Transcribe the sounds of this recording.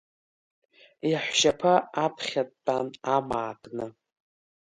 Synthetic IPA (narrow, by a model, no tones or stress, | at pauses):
iħʷʃapʰaapʰχʲatʼːanamaːkʼnɨ